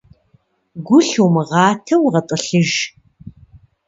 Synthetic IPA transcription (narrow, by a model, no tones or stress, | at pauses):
ɡʷʊɬuwmɨʁɑːtʰɐwʁɐtʼɐɬɨʒ